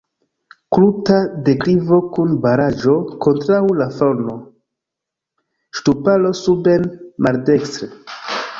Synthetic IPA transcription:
klutade̞kɾivo̞kunbaɾad͡ʒo̞ko̞ntɾawlafono̞ | ʃtupalo̞subenmaldekstɾe

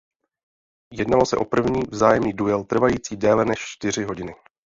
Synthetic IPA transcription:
jɛdnalo̞sɛʔo̞pr̩vɲiːvzaːjɛmniːdujɛlt̪r̩vajiːt͡siːdɛːlɛnɛʃt͡ʃt̪ɪr̝ɪɦo̞ɟɪnɪ

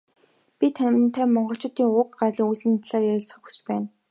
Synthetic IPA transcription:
pʲit̪ʰænʲɪ̆ɘ̆nt̪ʰæːmɔɴɢɞ̆ɬt͡ɕʊːt̪iːŋʊkɢarɮiːŋujsɘ̆nt̪ɮaːrjæɾʲɪ̆ɮt͡sχə̆xusɘ̥̆t͡ɕpæːn

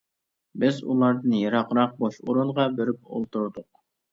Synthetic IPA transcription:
bɪzṵlˠɑɾd̪ɨnjɑɾɑqɾɑq̚boʃoɾuɴʁɑbeɾyp̚o̰lˠt̪uɾd̪ʊq̚

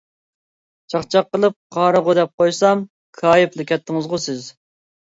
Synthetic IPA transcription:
t͡ʃʰɑχt͡ʃʰɑqːəlˠɨp̚qʰɑːɾəʁʊd̪ɛp̚qojsɑm | kʰɑːjɪplˠɨkʲʰɛt̪ʰːɪŋɨzʁʊsɪz

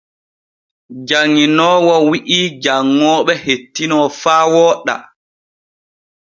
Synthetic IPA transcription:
d͡ʒaŋːinɔːwɔwiʔiːd͡ʒaŋːɔːɓɛhetːinɔfaːwɔːɗːa̰

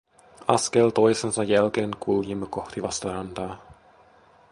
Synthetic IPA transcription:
ɑskelt̪o̞jsensɑjælkeːŋkulkimːɑko̞xt̪iʋɑst̪ɑɾɑnt̪ɑː

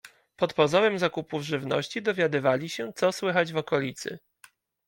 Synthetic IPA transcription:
pɔt̪pɔzɔɾɛmzakupuvʐɘvnɔ̰ɕt͡ɕid̪ɔvʲjad̪ɘvalʲiɕɛt̪sɔswɘxad͡ʑvɔkɔlʲit̪sɘ̰

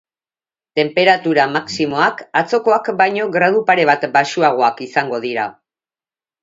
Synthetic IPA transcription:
t̪e̞mpe̞ɾat̪uɾamaksimo̞akat͡so̞ko̞akbajɲo̞ɣɾað̞upaɾe̞β̞at̪baʃuaɣ̞o̞akisaŋɡo̞ð̞iɾa

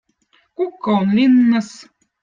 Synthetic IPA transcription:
kukːɑonlʲinːɑ̆s

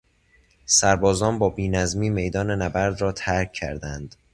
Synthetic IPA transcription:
sæɾbɒːzɒːnbɒːbiːnæzmiːme̞jd̪ɒːne̞næbæɾd̪ɾɒːt̪ʰæɾcʰːæ̰ɾd̪ænd̪̥

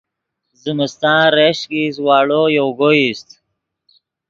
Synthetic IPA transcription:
zɪmɪst̪ɑ̃ːɾeɕkis̬wɑːɽojoɡoist̪

